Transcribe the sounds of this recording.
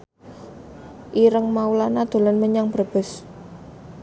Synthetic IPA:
ʔiɾəŋmaulanad̪̥o̤lanməɲaŋbərb̥ə̤s

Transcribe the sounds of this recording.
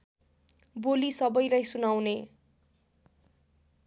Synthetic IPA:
bolisʌbʌjlajsunawne

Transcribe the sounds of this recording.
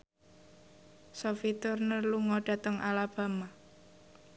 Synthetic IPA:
sofit̪ʊrnərluŋɔɖ̥a̤t̪əŋʔalab̥a̤ma

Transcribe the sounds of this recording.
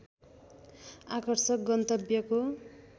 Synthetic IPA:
akʌrsʌk̚ɡʌnt̪ʌbjʌko

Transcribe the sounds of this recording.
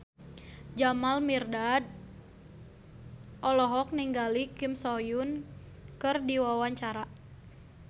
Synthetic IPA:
d͡ʒamalmirdad̚ | ʔɔlɔɦɔk̚niŋɡalikɪmsɔjʊn | kɨrdiwawaɲt͡ʃaɾa

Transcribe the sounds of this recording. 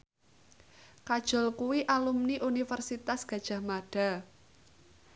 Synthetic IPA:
kad̥ʒ̥ɔ̤lkuwiʔalumniʔunifərsit̪asɡ̥ä̤d̥ʒ̥ä̤hmaɖ̥a̤

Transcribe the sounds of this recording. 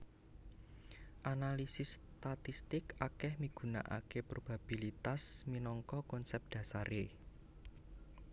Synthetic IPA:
ʔanalisɪsːt̪at̪ist̪ɪkakɛhmiɡ̥ṳna̰ʔa̰kepɾob̥a̤b̥ilit̪asminɔŋkɔkɔnsɛp̚d̪̥ä̤saɾe

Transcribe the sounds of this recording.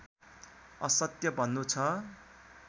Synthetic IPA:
ʌsʌt̪jʌbʱʌnːut͡sʰʌ

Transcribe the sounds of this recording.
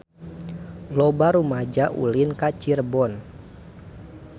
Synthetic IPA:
lɔbaɾumad͡ʒaʔṵlinkat͡ʃirbɔn

